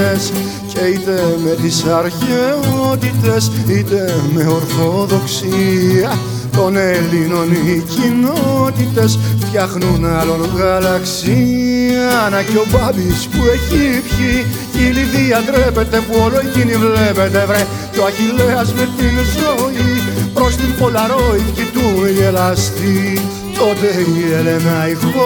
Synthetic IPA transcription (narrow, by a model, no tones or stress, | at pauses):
es | ce̞it̪e̞me̞t̪isɐɾçeot̪it̪e̞sit̪e̞me̞oɾθo̞ðo̞ksiɐ | t̪o̞nelino̞nicinot̪it̪e̞sft̪çɐxnunɐlo̞nɣɐlɐksiɐnɐceo̞bɐbispueçipçi | iliðiɐt̪ɾe̞pe̞t̪e̞puoloecinivle̞pe̞t̪evɾe | t̪oɐçileɐzmet̪inzoipɾost̪impolɐɾoicit̪uniʝelɐst̪i | t̪ot̪eielenɐixo